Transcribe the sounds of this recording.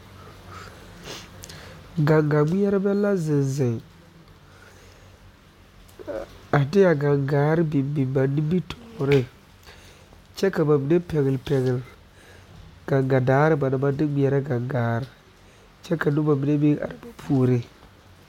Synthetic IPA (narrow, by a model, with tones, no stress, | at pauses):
ɡa˨ŋɡa˨ɡ͡bi˦ɛ˦ɾɪ˦bɛ˦lːa˦zɪ˨nzɪ˨ŋ | a˨dɪ˦ja˨ɡa˨ŋɡaː˦ɾɪ˦bi˨bi˨ba˨nːi˦bi˦tɔ̥˨ɾɪ˦ | t͡ʃɛ˦ka˨ba˨bi˨ne˦pɛ˨ɣɪ˨lpɛ˨ɣɪ˨l | ɡ̥a˨ŋɡa˨daː˨˦ɾɪ˦ba˨na˨ba˦dɪ˦ɡ͡bi˦ɛ˨ɾa˦ɡa˨ŋɡaː˨˦ɾɪ˨ | t͡ʃɛ˦ka˨nʊ˦ba˨bi˨ne˦bi˦ʔa̰˨ɾɪ˨ba˨pʰu˦ɾɪ˦